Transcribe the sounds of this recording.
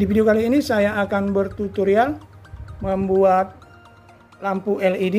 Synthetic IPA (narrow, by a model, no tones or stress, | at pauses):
difideokaliːnisajaːkanbərt̪ut̪uɾial | məmbuat̪̚ | lampuʔɛlidi